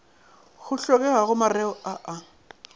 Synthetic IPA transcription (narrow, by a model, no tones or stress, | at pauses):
ɣʊɬɔkɛɣaɣʊmarɛɔaʔa